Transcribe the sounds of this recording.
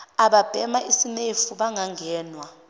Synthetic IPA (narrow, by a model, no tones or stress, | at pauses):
aɓab̥ʱɛmaʔisinefuɓaŋaŋɛːnwa